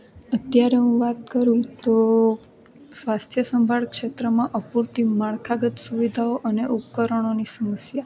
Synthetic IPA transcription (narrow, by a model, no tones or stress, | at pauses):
ət̪jaɾeɦũʋat̪̚kəɾũt̪o | sʋast̪ʰjəsəmbʱaɭkʃet̪ɾəmãʔəpuɾt̪imaɭkʰaɡət̪suʋid̪ʱaoʔəneʔupkəɾəɳ̃onisəməsja